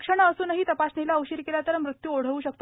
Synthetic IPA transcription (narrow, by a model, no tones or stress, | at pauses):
kʂəɳ̃əəsuːnəɦiːt̪əpasnilaəwɕiːɾkeljat̪əɾmɾut̪juoɽ̤əʋuːɕək̚t̪o